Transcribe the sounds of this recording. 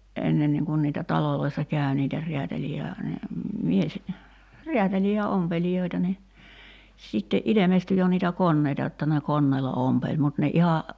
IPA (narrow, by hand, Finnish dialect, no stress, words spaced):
ʔenːenːiːŋ kun niːtæ tɑloloisːɑ kæˑy̞ niːtæ riætæliː jɑ mies riætæliː jɑ ompelijoitɑ ni sitːe ʔilemesty jo niːtæ konːeitɑ jotːɑ ne konːeːlɑ ompelʲ mut ne ihɑ